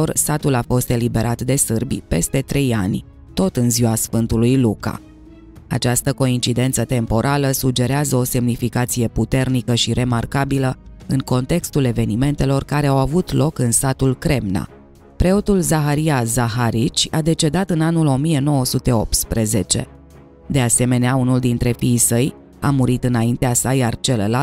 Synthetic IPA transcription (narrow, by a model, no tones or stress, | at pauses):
orsat̪ulafo̞st̪e̞libe̞ɾʔat̪d̪e̞sɨrbʲpe̞̰st̪e̞t̪ɾe̞ja̰nʲ | t̪o̞t̪ɨnziwasfɨnt̪ulujluka̰ | a̰t͡ʃast̪əko̞int͡ʃid̪e̞nt̪sət̪e̞mpo̞ɾʔaləsud͡ʒe̞ɾeazəo̞se̞mnifikat̪sije̞put̪e̞rnikəʃiɾʔe̞markabiləɨŋko̞nt̪e̞kst̪ule̞ve̞nime̞nt̪e̞lo̞rkaɾe̞awavut̪lo̞kɨnsat̪ulkɾe̞mna̰ | pɾe̞o̞t̪ulzaxaɾiazaɦaɾit͡ʃʲad̪e̞t͡ʃe̞d̪at̪ɨnanulo̞mije̞no̞wəsut̪e̞o̞p̚t̪spɾeze̞t͡ʃe̞̰ | d̪e̞ase̞me̞neaunuld̪int̪ɾe̞fiːsəj | a̰muɾit̪ɨnaint̪easajart͡ʃe̞ləla